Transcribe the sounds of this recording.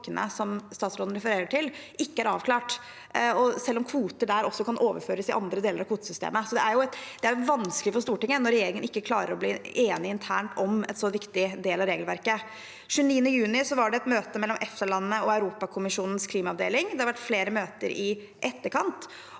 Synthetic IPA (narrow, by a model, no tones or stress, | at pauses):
ənʔə̰sɔmst̪ɑːt̪sɾoːd̪n̩ɾɛfəɾeːɾəʈʰɪlʔɪkːəæɾɑ̰ːʋkʰlɑːʈ | ɔsɛlːɔmkʰʋuːt̪əɖæɾɔsːɔkʰɑnʔoːʋəɾføːɾəsɪʔɑ̰nd̪ɾəd̪eːləɾɑkʰuːt̪sʏst̪ḛːməsɔd̪ɛæɾjʊɛt̪d̪ɛæɾjʊʋɑnskəlɪfɔst̪uːʈɪŋːənɔɾɛjeːɾɪŋənɪkːəkʰlɑːɾə̰ɾɔbliːeːnɪɪnt̪ʰæ̰ːɳʈɔmɛ̰nsɔʋɪkt̪ɪd̪eːlɑʋɾeːɡlʋæɾkə | ʂʉːniːənəjʉːnɪsɔʋɑɖɛɛt̪møːt̪əmɛlːɔmʔɛft̪əɭɑnːnəɔɑʉɾuːpɑkʰʊmɪʂuːnn̩skʰliːmɑɑʋd̪ḛːlɪŋd̪ɛhɑɾʋæʈːfleːɾəmøːt̪ə̰ɾʔɪ | ʔɛt̪ːəɾkʰɑnt̪